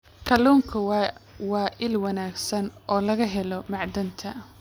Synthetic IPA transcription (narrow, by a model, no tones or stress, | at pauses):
kʰɐlɔːŋkʰɐwɑːʔɪlwɐnaːɡsɐnʔɔːlɐɣɐɦɛlɔmɑʕd̪ɐnt̪ʰɐ